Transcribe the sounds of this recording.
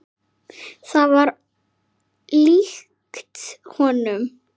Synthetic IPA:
θaðvaɾ | lix | kt̪hɔːnʏm

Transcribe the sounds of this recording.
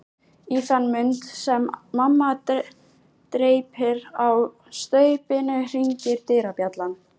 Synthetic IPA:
iθanːmʏnt̪sɛmːamːa | t̪ɾeːjphɪɾaw | st̪œːɥpɪnɪr̥iɲcɪɾt̪ɪːɾapjat̪lan

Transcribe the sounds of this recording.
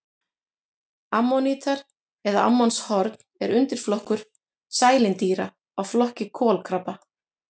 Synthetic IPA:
amːɔniːt̪ʰaɾ | ɛðaa̰mːanshɔɾt̪n̥ɛɾʏnt̪ɪɾ̥flɔhkʏɾ̥ | saːjlɪnt̪iːɾa | ɔɣflɔhcɪkʰɔːlkʰɾapa

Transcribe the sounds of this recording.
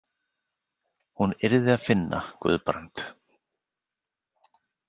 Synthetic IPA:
hunɪɾðɪaðfɪnːa̰kvʏ̰ːðpɾant̪

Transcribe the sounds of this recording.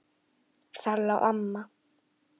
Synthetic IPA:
θalːaʔa̰mːa

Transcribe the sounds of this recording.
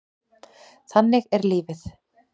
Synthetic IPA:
θanːɪɣɛɾliːvɪθ

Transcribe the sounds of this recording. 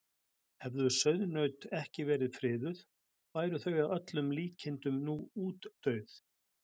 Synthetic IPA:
hɛvðʏsœɥðnœɥt̪ɛhcɪvɛːɾɪðfɾɪːðʏð̥ | vaːjɾʏθœɥɣawœt̪lʏmliːcʰɪnt̪ʏmnuːuːt̪ːœɥθ

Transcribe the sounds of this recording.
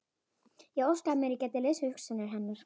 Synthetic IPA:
jɛɣowskamɛɾicat̪ɛlɛshʏhksanɪɾ̥ɦɛnːaɾ̥

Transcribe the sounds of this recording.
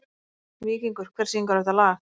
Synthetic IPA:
miːciŋkʏɾ̥kʰvɛɾ̥siŋkaɾɛht̪alaxt̪

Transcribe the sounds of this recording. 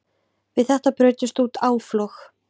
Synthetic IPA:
vɪðθɛht̪apɾœːɥt̪ɪst̪uːt̪ʰaːwflɔx

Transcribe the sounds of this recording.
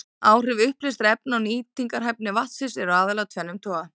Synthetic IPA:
aːwrɪvʏhplɪjst̪ɾɛpnawniːt̪iŋkaɾɦajp̚nɪvaht̪sɪsɛɾʏaːðɛlaɣt̪ʰvɛnːʏmt̪ʰɔːɣa

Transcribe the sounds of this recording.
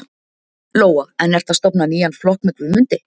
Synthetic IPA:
loːwaɛnɛr̥t̪θast̪ɔpnaniːjanflɔhkmɪt̪lvɪmʏnt̪ɪ

